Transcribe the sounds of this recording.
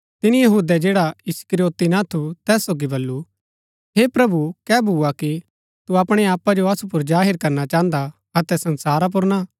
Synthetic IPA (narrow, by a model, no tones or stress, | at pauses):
t̪ɪnijɐɦuːd̪ɛd͡ʒeːɽaɪskɾijoːt̪inat̪ʰut̪ɛːsːoːɡibɐlːu | ɦepɾɐbukɛːbʱuaki | t̪uɐpɽ̃ɛaːpad͡ʒoɐsupʊɾd͡ʒaːɦɪɾkɐɾnat͡ʃãːnd̪a | ɐt̪ɛsɐnsaːɾap̬ʊɾna